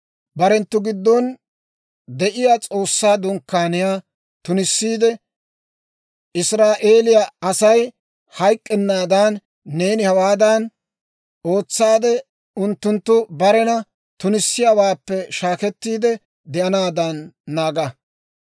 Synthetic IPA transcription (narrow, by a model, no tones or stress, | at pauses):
bɐɾɛnt̪ːʊɡɪd̪ːɔn | d̪ɛʔɪjat͡sʼo̞ːsːaːd̪ʊŋkːaːnɪjaː | t̪ʊnɪsːiːd̪ɛ | ɪsɾaːʔe̞ːlɪjaɐsɐj | hɐjkʼːɛnːaːd̪aːnː | e̞ːnɪhɐwaːd̪ɐn | o̞ːt͡sːaːd̪ɛ | ʊnt̪ːʊnt̪ːʊbɐɾɛnɐ | t̪ʊnɪsːɪjawaːpːɛʃaːkɛt̪ːiːd̪ɛ | d̪ɛɐnaːd̪ɐnːaːɡɐ